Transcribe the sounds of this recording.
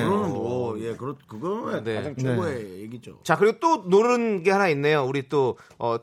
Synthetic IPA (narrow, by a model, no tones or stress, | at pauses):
ɯɾʌnɯnojekɯɾʌkɯɡʌene̞ad͡ʑaŋt͡ɕoɡoejeɡid͡ʑo̰t͡ɕakɯɾiɡot͈onoɾɯnɡe̞hanainːe̞jouɾit͈oʌ